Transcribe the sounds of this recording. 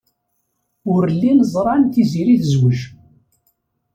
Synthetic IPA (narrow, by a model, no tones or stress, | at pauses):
ʊɾəlːinzˤɾˤɑnθiziɾiθəzwəʒ